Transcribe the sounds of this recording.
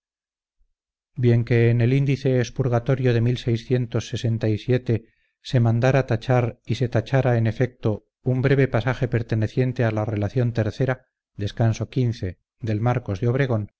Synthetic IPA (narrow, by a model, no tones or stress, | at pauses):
bje̞ŋke̞ːne̞lind̪iθe̞ːspuɾɣat̪oɾjo̞ðe̞milse̞jsθje̞nt̪o̞sːe̞se̞nt̪ajsje̞t̪e̞ | se̞mãnd̪aɾat̪at͡ʃaɾise̞t̪at͡ʃaɾae̞ne̞fe̞k̚t̪o̞ | umbɾe̞βe̞pasaxe̞pe̞ɾt̪e̞ne̞θje̞nt̪e̞alare̞laθjo̞nt̪e̞ɾθe̞ɾa | d̪e̞skanso̞kinθe̞ | d̪e̞lmaɾko̞zðeo̞β̞ɾe̞ɣ̞o̞n